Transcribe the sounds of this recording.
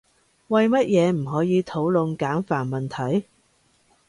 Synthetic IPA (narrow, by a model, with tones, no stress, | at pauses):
wɐ˨jmɐ˥t̚jɛː˨˧m̩˨˩ɦɔː˨˥jiː˨˧t̪ʰo˨˥wlʊ˨˧ŋkaː˨˥nfaː˨˩nmɐ˨nt̪ʰɐ˨˥j